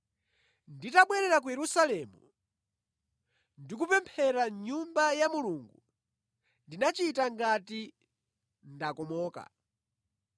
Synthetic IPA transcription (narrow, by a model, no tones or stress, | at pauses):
nditaɓwɛɾɛɾak̬ujɛɾusalɛmu | ndikupɛmpʰɛɾaɲumbajamuluŋɡu | ndinat͡ʃitaŋɡati | ndakɔmɔːka̰